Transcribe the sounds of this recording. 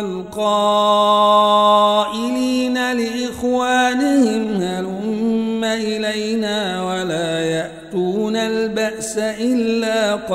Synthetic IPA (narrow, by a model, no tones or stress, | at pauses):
alqɑː | ʔɪliːnalɪʔɪxwaːnɪhɪmhalʊmːaʔɪlajnaːwalaːjaʔt̪uːnalbaʔsaʔɪlːaːq